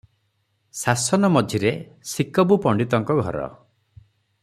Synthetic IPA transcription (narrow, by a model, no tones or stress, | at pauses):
sasɔnɔmɔd͡ʒʱiɾesikɔbupɔɳɖit̪ɔŋkɔɡʱɔɾɔ̰